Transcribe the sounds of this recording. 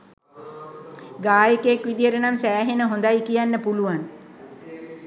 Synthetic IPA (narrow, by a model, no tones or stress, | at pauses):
ɡaːjəkeekʋid̪ijəɾənamsæːɦenəɦond̪ajkijanːəpuluʋan